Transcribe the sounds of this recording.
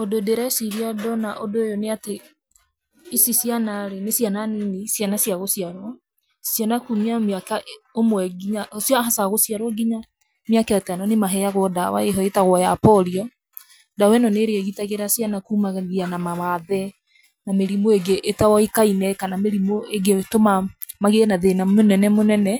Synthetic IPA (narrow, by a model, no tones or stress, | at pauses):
odoedeɾasiɾiadɔnaʔodojɔneate | isisianaɾenesjananenisjanasjaɣosiaɾwɔ | sianakumiamakaʔomwɛɡiɲaosjɔɦasaɣosiaɾwɔɡiɲa | mjakɛatanɔnemaɦɛjaɣwɔdawa̰eɦɔetaɣwɔjapɔɾiɔ | dawɛnɔneɾeɛɣitaɣeɾasianakuːmaɣɛðianamawaðɛ | nameɾimoeɡeʔːtawɔikainɛkanameɾimoeɡetomamaɣeɛnaðenamonɛnɛmonɛnɛ